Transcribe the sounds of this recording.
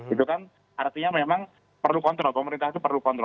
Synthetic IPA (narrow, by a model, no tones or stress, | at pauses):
it̪ukan | ʔart̪iɲamemaŋ | pərlukɔnt̪ɾɔlpəməɾint̪aht̪upərlukɔnt̪ɾɔ